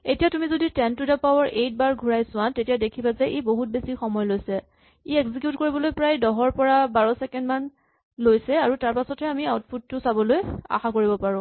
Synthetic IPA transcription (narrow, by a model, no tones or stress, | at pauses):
etijatumizoditɛntudapawɔɹʔejt̚baɹɡʱuɹajsʊ̃wãtetijadekʰibazɛʔeboɦut̚besixɔmɔjɔlojsɛ | eɛkzikjutkoɹibɔlojpɹajdɔɦɔɹpɔɹabaɹɔsɛkɛndman | lojsɛaɹutaɹpasɔtɦɛamiawt̚pʰud̚tʊsabɔloja̰xakoɹibɔpaɹʊ̃